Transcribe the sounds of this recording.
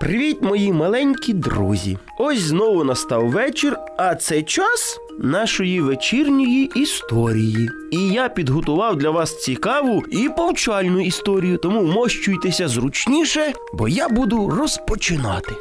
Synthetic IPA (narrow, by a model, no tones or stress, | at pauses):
pɾɪʋʲitʲmɔjimɐlˠɛnʲkʲid̪ɾṵzʲḭ | ɔsʲznɔʋʊnɐst̪ɑwʋɛt͡ʃɪr | ɐt̪sɛjt͡ʃɑs | nɑʃɔjiʋet͡ʃirnʲɔjiʔist̪ɔɾʲiji | ijapʲid̪ɦɔt̪ʊʋɑwd̪lʲɐʋɑst͡sʲikɑʋʊipɔwt͡ʃɑlʲnʊist̪ɔɾʲijʊt̪ɔmumɔʃt͡ʃʊjt̪esʲɐzɾʊt͡ʃnʲiʃɛ | bɔ̰jabud̪ʊrɔspɔt͡ʃɪnɑt̪ɪ